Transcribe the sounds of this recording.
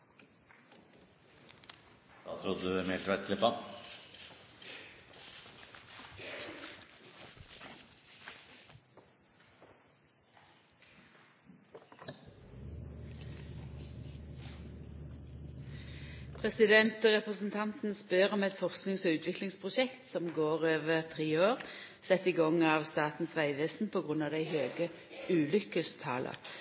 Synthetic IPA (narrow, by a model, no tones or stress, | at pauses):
d̪ɑ̰ːt̪ʰɾʊd̪əd̪ʉæmet̪ʰʋæt̪kʰlɪpɑn | pʰʁɛsɪd̪ɛnt̪ʁɛpʁəsn̩t̪ʰɑnt̪n̩spœʁɔmɛt̪fɔʁsknɪŋsoːʉːt̪ʰʋɪklɪŋspʰʁʊʃɛkt̪sɔmɡoːʁøːʋəʁt̪ʰʁiːoːʁ | sɛt̪iɡɔŋɑːʋst̪ɑːt̪n̩sʋæɪʋeːsn̩pʰoːɡʁʉnɑːʋd̪æɪhøːɡə | ʉːlʏkəst̪ʰɑ̰ːlʔɑ̰